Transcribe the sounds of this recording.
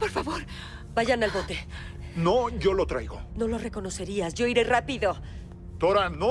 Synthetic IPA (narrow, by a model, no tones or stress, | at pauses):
po̞ɾfaβo̞ɾ | baʝanalβo̞t̪e̞noʝo̞lot̪ɾajɣo̰no̞lo̞re̞ko̞no̞se̞ɾiasʝo̞iɾe̞rapiðo̞ | t̪oɾano